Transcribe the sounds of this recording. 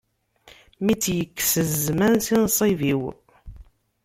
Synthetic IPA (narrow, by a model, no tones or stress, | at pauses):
mit͡sːjəkːsəzmænsinsˤiviw